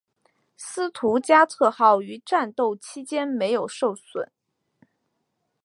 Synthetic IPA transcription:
sɹ̩˥t̪ʰu˧˥t͡ɕja˥t͡sʰɤ˥˧xɑ˥˩ʊy˧˥ʈ͡ʂa˥˧nt̪o˥˩ʊt͡ɕʰi˥t͡ɕjɛ˥nme˧˥ɪjo˨˩ʊʂo˥˩ʊswə̰˨˩˦n

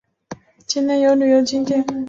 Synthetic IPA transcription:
t͡ɕi˥nnɛ˥njo˧˥ʊly˨˩jo˧˥ʊt͡ɕi˥ŋt̪jɛ˥n

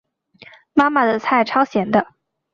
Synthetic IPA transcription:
ma˥ma˨d̪ə˨˩t͡sʰa˥˩ɪʈ͡ʂʰɑ˥ʊɕjɛ˧˥nd̪ə˧

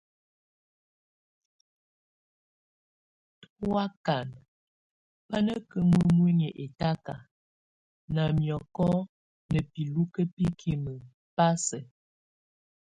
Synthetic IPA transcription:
twa˦ka˨n | pa˦nə˦kə˨mwi˦mwi˦ɲə˨ʔe˨ta˦ka˨ | na˨mjɔ˨kɔ˦ | nə˨pi˨lu˦kə˦pi˦kʰi˨mə˨ | pa˦sə˨

